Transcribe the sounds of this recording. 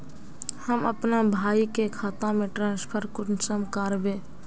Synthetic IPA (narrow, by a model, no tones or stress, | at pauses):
həməpnabʱaːikekʰaːt̪ãmẽʈɾãːnspʰəɾkʊnsəmkaɾbẽː